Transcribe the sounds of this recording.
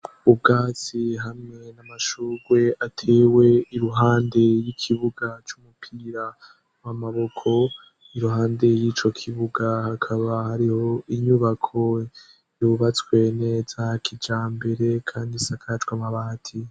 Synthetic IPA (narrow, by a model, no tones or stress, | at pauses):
ub̚ɡaːt͡siɦamŋe̞namaʃuːɡwe̞ʔatʰeːwe̞iɾuɦaːnde̞jikʰiβuɡat͡ʃumupʰiːɾa | wamaβo̞kʰo̞ | iɾuɦaːnde̞jiːt͡ʃo̞kʰiβuɡahakʰaβahaɾiho̞iɲuβakʰo̞ | juβat͡swe̞ne̞ːzakʰid͡ʒaːmbe̞ɾe̞kʰaːndisakʰat͡ʃwamaβaːtʰi